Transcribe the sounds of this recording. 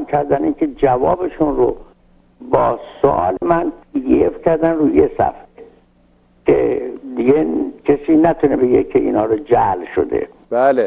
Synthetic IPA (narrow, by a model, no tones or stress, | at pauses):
mkʰæɾd̪æniːnkʰe̞d͡ʒævɒːbeʃunro | bɒːso̰ʔɒ̰ːlemænpʰiːd̪iefcʰæɾd̪ænruːjesæ̰fɾe | kʰḛd̪iɡekʰesiːnæt̪ʰunebeɡḛkʰeʔḭːnhɒːɾod͡ʒælʃo̰d̪e̞̰ | bale